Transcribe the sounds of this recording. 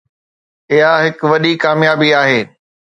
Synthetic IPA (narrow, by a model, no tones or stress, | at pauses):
ɪɦaɦɪkʋɐɗikaːmjaːbiaːɦeː